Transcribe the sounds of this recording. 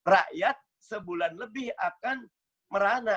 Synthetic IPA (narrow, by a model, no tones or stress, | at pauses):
ra̰ʔjat̪̚səbulanləbɪhakan | məɾana